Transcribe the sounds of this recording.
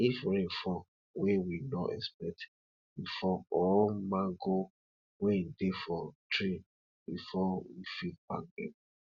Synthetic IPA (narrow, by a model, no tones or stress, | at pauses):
ifɾefɔ | wewinɔʔɛ̰spɛk̚t | bifɔɔlmaɡo | wɛ̃defɔtɾi | bifɔwḭfilba̰ɡɛ̰̃